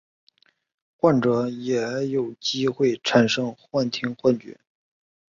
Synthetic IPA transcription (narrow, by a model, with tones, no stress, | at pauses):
xwa˥˩nʈ͡ʂɤ˧˥jɛ˨˩˧jo˨˩ʊt͡ɕi˥xwe˥˩ɪʈ͡ʂʰa˨˩nʂɤ˥ŋxwa˥˩nt̪ʰi˥ŋxwa˥˧nt͡ɕy̰˥˩˥n